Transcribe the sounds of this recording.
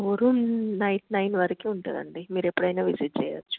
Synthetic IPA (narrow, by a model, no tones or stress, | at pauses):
oɾunɐjʈnɐjnʋɐɾɐkiuɳʈɐ̰ːd̪ɐ̰ɳɖimiːɾepːuɽɐjnaːʋisiʈ̚t͡ʃɛ̰ːjɐ̰t͡ʃːu̥